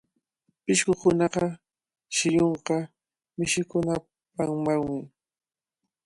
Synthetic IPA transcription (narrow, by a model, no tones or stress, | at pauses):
pɪʃkʊkʊnɑqɑ | ʃɪjoɴqɑ | mɪʃɪkʊna | paŋmaŋmɪŋ